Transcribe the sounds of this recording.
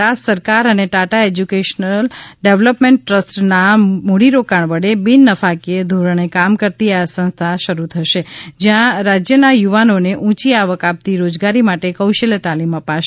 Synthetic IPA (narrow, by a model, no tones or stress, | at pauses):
asəɾkaɾəneʈaʈaed͡ʒjukeʃənəlɖeʋləpmeɳʈːɾəsʈnamuɽiɾokaɳʋəɽebinːəfakied̪ʱuɾɳ̃ekamkəɾt̪iasə̃ñst̪ʰaʃəɾut̪ʰəʃed͡ʒjãɾad͡ʒjənajuʋanoneʔũt͡ʃiaʋəkap̚t̪iɾod͡ʒɡaɾimaʈekəwʃelt̪aliməpaʃe